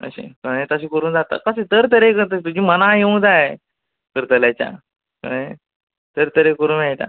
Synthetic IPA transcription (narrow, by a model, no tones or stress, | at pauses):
ə̰ɕḛ̃kəɽet̪əɕ̬iːkəɾuːnd͡zat̪a̰kəset̪əɾt̪əɾekəɾt̪ət̪ud͡ʑiːmənaɦeũd͡zae | kəɾt̪əljat͡ɕja̰ | kə̰ne | t̪əɾt̪əɾekəɾuːnajt̪a̰